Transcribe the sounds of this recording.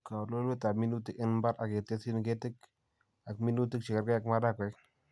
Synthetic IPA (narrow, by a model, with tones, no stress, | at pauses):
ka˨lo˦lwe˦ta˨mi˦nu˦ti˦kɪ˦nba˦ɾa˨ke˨te˦si˦n˨ke˦tɪ˦k | a˨kmi˦nu˦ti˦k̚t͡ʃɪ˨kə˨ɾkɛ˦a˨kma˦da˦kwɛ˦k